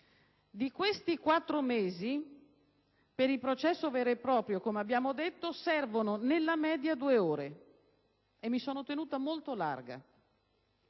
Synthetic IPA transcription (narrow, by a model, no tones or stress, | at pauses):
d̪ikwest̪ikwat̪ːɾomeːzi | peɾilpɾot͡ʃɛsːoveːɾoepːɾɔːpɾjokomeabːjaːmod̪et̪ːosɛrvononelːamɛːd̪jad̪uːeoːɾe | emːisoːnot̪enuːt̪amolt̪ola̰rɡa̰